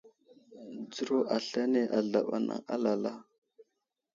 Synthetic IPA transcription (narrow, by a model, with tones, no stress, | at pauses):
d͡zu˦ɾo˦ʔa˨ɬa˦ne˦ʔa˨ɮa˨ɓa̰˨na̰˨ŋa˦la˨la˦